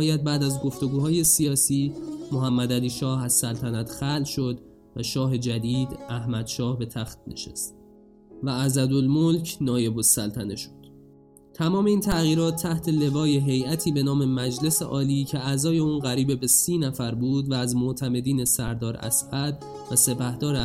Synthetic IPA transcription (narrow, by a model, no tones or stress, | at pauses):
jæd̪̚bæːd̪æzɡo̞ft̪o̞ɡuːhɒːje̞sijɒːsiːmoɦæmːæd̪æliːʃɒːhæz̥sælt̪ʰænæt̪xælʃo̞d̪ | væʃɒːɦe̞d͡ʒæd̪iːd̪æhmæd̪̥ʃɒːhbe̞t̪ʰæxt̪̚nḛʃḛst̪̚ | vææzæd̪olmolcʰnɒːje̞bosælt̪ʰæne̞ʃo̥d̪̥ | t̪ʰæmɒːme̞iːnt̪ʰæɣiːɾɒːt̪ʰːæht̪ʰe̞le̞vɒːjeɦe̞jæt̪ʰiːbe̞nɒːme̞mæd͡ʒle̞seʔɒːliːcʰeæzɒːje̞uːnɣæɾiːbebe̞siːnæfæɾbuːd̪væːzmoʔt̪ʰæme̞d̪iːne̞sæɾd̪ɒːɾæ̰sæd̪ | væse̞pʰæhd̪̥ɒːɾ